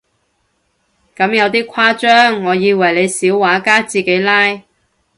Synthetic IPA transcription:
kɐ˨˥mjɐ˨˧wt̪̬iː˥kʷʰwaː˥t͡ʃœː˥ŋːɔː˨˧jiː˨˧wɐ˨˩jle˨˧jsiː˨˥wwaː˨˥kaː˥t͡siː˨ke˨˧˥jlaː˥j

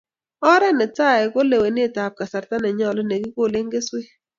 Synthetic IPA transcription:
ɔ˦ɾɛ˦nɛ˨t͡sa˦˨ɛ˨ko˦le˨we˨n˦e˦˨ta˨p̚ka˨sa˨ɾta˦nɛ˨ɲɔ˦lɔ˦ne˨ɡi˦ko˦˨lɪ˦ŋɡɪ˦swe˦

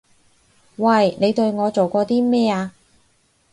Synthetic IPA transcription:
wɐ˧˨˩jne˨˧jt̪ɵ˧ɥŋɔː˨˧t͡so˨wkɔː˧t̪iː˥mɛː˥aː˧

